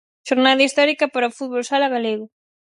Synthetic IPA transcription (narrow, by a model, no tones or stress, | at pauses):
ʃoɾnaðɐist̪ɔɾikɐpaɾɐofut̪̚βolsalaɣaleɣʊ